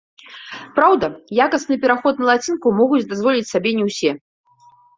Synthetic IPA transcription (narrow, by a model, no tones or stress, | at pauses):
pɾawd̪ɐjakɐsnɨpʲɛɾaxɔt̪̚nɐlˠat͡sʲinkumɔɣut͡sʲd̪azvɔlʲit͡sʲsabʲɛnʲɛwsʲɛ